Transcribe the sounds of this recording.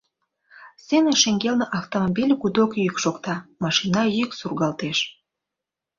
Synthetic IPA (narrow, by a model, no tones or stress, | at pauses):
seneʃeŋɡelneʔɑft̪omobilʲkud̪okjykʃokt̪ɑmɑʃinɑjyksurɣɑlt̪eʃ